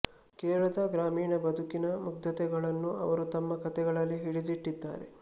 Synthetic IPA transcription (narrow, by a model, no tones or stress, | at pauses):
kɛːɐɭɐd̪ɐɡɾaːmiːɳɐbɐd̪ʱukinɐmuɡ̚d̪ɐt̪ɛɡɐɭɐnːuɐ̰ʋɐɾut̪ɐmːɐkɐt̪ɛɡɐɭɐlːiɦiɽid̪iʈːid̪ːa̰ːɾḛ